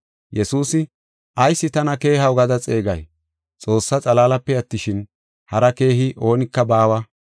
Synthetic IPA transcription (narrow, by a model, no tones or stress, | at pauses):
jɛsuːsɪ | ʔɐjsːɪt̪ɐnɐke̞ːɦɐwɡɐd̪ɐt͡sʼe̞ːɡɐj | t͡sʼo̞ːsːɐt͡sʼɐlaːlɐpːɛɐt̪ːɪʃɪn | hɐɾɐke̞ːɦɪʔo̞ːnɪkːɐbaːwɐ